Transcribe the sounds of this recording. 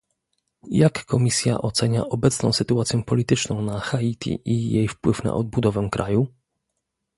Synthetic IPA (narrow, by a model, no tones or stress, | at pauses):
jakːɔmʲisʲja̰ʔɔt̪sɛɲa̰ʔɔbɛt̪snɔ̃w̃sɘt̪uat̪sʲjɛ̃pɔlʲit̪ɘt͡ʂnɔ̃w̃naxait̪ʲʰḭʔijejfpwɘfna̰ʔɔd̪̚bud̪ɔvɛkɾʔa̰ju